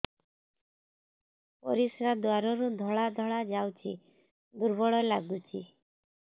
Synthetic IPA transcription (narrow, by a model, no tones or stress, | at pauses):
pɔ̰ɾisɾad̪waɾɔɾud̪ʱɔɭad̪ʱɔɭad͡ʒawt͡ʃʰḭ | d̪uɾbɔɭɔlaɡut͡ʃʰḭ